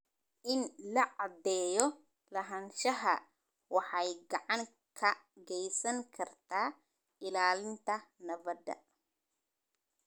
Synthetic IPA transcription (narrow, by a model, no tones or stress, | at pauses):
ʔɪnlɐʕɑd̪ɛːjɔ | lɐɦɐnʃɐɦɐ̰ | wɑħɑjɡɑʕɑŋ | kʰɐɡɛjsɐŋkʰɐrt̪ʰaː | ʔɪlaːlɪnt̪ʰɐnɐβɐd̪ɐ̰